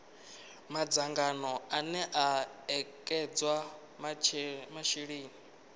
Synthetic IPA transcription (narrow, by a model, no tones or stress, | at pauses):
mad͡zaŋɡanɔanɛʔaɛkʼɛd͡zwa | mamaʃiɺiːni